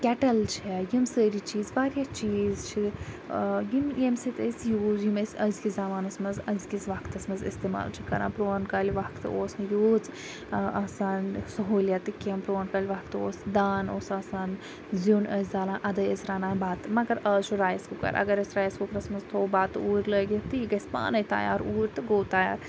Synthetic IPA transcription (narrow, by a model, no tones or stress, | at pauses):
kʲɛʈɐlt͡ʃʰɛjimsəːɾit͡ʃiːzbaːɾjat͡ʃiːzt͡ʃʰi | jimemsit̪əsjuːzjimɐsʲɐzkizaːmaːnɐsmɐnzɐzkʲizʋɐkt̪ɐsmɐzist̪eːma̰ːlt͡ʃʰikɐ̰ɾa̰ːpɾoːnkɐːlʋakt̪ɨ̰oːsmɐjuːz | aːsaːnsɐɦoːljaːt̪ɨkiɐmpɾoːnkɐlʲʋakt̪ɨoːsd̪aːnoːsaːsaːn | zunɐzd̪aːlãːʔɐd̪ɐjɐzɾaːnãːbaːt̪mɐɡɐɾɐːt͡ʃʰuɾaːjskukɐ̰ɾʔɐ̰ɡɐɾɐsʲɾaːjskukɾɐsmɐzt̪ʰoːbaːt̪ɨuːɾləːɡit̪ɨiɡɐsʲpa̰ːnɐjt̪a̰ːja̰ːɾuːɾʲt̪ɨɡoːt̪aːja̰ːɾ